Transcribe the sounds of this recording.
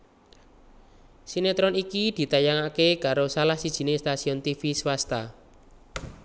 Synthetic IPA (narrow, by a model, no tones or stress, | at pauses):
sinet̪ɾɔnikid̪̥i̤t̪ajaŋakekaɾosalahsid̥ʒ̥i̤nest̪asiɔnt̪ifiswast̪a